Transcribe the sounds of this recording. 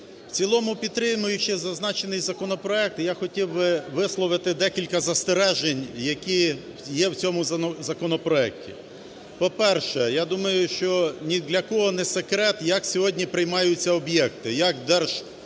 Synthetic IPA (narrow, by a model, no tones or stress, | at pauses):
w̥t͡sʲilˠɔmʊpʲid̪t̪ːɾɪmʊjʊʃɛzɐznɑt͡ʃenɪjzɐkɔnɔpɾɔɛk̚t̪jaxɔtʲiwbɪʋɪslˠɔʋɪt̪ɪd̪ɛkʲilʲkɐzɐst̪eɾɛʒenʲjɐkʲi | jɛwt͡sʲɔmʊzzɐkɔnɔpɾɔɛk̚tʲḭ | pɔpɛrʃɛjad̪umɐjʊʃt͡ʃɔnʲid̪lʲɐkɔɦɔnɛsekɾɛt̪jɐksʲɔɦɔdʲnʲipɾɪjmɑjʊt͡sʲːɐɔbjɛkt̪ɪjɐkd̪ɛrʒ̥